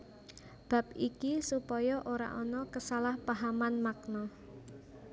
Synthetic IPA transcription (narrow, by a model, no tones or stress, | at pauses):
b̥a̤p̚ikisupɔjɔʔoɾa̰ʔɔnɔkəsalahpaɦamanmak̚nɔ